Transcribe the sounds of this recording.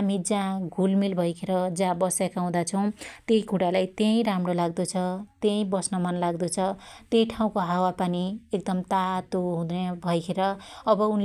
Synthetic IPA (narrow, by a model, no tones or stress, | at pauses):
ɦamid͡zãɡʱulmilbʱʌjkʰeɾʌd͡zãbʌsjakaw̃d̪at͡sʰʌw̃t̪eikuɽalajt̪jej̃ɾamrolaɡd̪ut͡sʰʌt̪jẽj̃bʌsnʌmʌnlaɡd̪ut͡sʰʌt̪ejʈʰaw̃koɦawapaniek̚d̪ʌmt̪at̪oɦũd̪ebʱʌjkʰeɾʌːbʌunl